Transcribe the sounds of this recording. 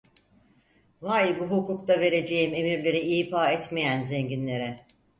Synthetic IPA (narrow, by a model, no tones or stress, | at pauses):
vaːjibuɦukukt̪ave̞ɾe̞d͡ʒe̞jime̞miɾlʲe̞ɾiiːfaːɛt̪mejænzɛɲɟinlʲe̞ɾɛ